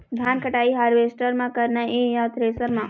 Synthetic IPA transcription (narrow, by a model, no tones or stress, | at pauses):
d̪ʱjankəʈaiɦaːɾʋesʈəɾmãkəɾnaʔejat̪ɾesəɾmã